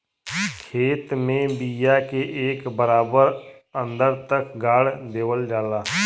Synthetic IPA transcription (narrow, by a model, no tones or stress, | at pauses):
kʰeːt̪mẽbijakeʔeːkbəɾaːbəɾ | ə̃nd̪əɾt̪əkɡaːɽd̪eːʋəld͡ʒaːlaː